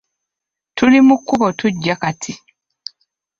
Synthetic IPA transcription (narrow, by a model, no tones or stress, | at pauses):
tʰulimukːuβotuɟːakatʰi